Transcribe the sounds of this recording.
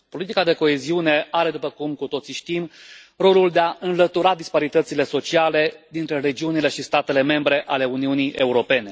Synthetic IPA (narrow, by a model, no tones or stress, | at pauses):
po̞lit̪ikad̪e̞ko̞e̞ziune̞aɾe̞d̪upəkumkut̪o̞t̪siʃt̪im | ro̞luld̪eaɨnlət̪uɾad̪ispaɾit̪ət̪sile̞so̞t͡ʃiale̞d̪int̪ɾe̞ɾe̞d͡ʒiunile̞ʃist̪at̪e̞le̞me̞mbɾe̞ʔale̞uniunije̞uɾo̞pe̞ne̞